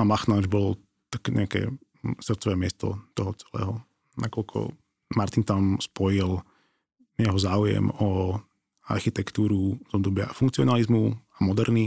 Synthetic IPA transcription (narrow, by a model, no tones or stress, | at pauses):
amaxnad͡ʒbɔlɔ | t̪ḁkɛɲɛ̰akɛ̰ː | sr̩t̪t͡sɔʋɛːmɪɛst̪ɔ̰t̪ɔɦɔt͡sɛ̥lɛ̰ːɦɔ | nakɔlkʰɔ̰ | maɾt̪int̪amspɔjil | jɛɦɔzaːujɛ̰mɔ | a̰ɾxit̪ɛkt̪uːɾuz̥ɔbd̪ɔbɪa̰fuŋkt͡siɔnalizmuamɔd̪ɛɾni